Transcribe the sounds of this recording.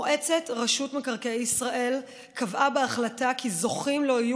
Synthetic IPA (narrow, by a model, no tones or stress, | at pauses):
ʔe̞t͡se̞tʁaʃutmekaʁkeeisʁaʔe̞l | kavʔabeaχlatakʰizo̞χimlo̞iju